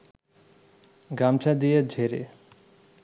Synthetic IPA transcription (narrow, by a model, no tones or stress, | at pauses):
ɡɾamt͡ɕʰad̪ijed͡ʑʱeɾḛ